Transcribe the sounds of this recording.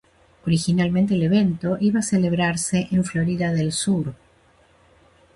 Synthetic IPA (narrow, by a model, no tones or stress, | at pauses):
oɾixinalmẽnt̪eːleβe̞nt̪o̞ʔiβaːseleβ̞ɾaɾseʔeɱflo̞ɾiðaðelsuɾ